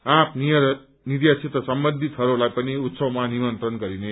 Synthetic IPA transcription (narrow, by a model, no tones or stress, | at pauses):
ãpʰnijʌ | niɾjasʰit̪ʌsʌmbʌnd̪ʱit̪ɦʌɾulajpʌniut̪sʌwmanimʌnt̪rʌnɡʌɾine